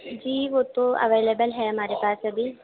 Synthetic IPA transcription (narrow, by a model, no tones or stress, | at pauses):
d͡ʒiːʋoːt̪oɐ̰ʋeːleːbəlɦɛɦɐmaːɾepaːsɐbi